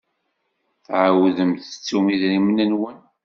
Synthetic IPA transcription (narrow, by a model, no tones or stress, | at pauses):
θʕawðəmθət͡sːumiðɾimənənwən